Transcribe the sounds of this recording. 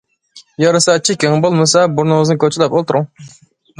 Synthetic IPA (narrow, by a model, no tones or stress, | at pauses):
jɑɾɨsɑt͡ʃʰikʲeŋbolˠmɨsɑbuɾnɨŋɨznɨkʲʰøt͡ʃʰɪlˠɛpolˠt̪ʰʊɾʊŋ